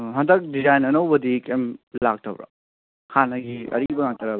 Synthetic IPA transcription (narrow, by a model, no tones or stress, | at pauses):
ɦɐndɐk̚dizajnɐnɐwbɐd̪ikemlak̚tʰɐbɾa̰ | kʰanɐɡiɐ̰ɾibɐŋak̚tʰɐɾa